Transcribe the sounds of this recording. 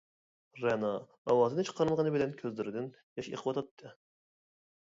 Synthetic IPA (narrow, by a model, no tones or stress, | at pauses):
ɾɛnɑː | wɑːzɨnɨt͡ʃʰə̥qʰɑɾɨlˠʁənɨbɪlɛnkʲʰøzlɪɾɪd̪ɪn | jɑʃḛqʰəwɑt̪ʰɑt̪ʰːɨ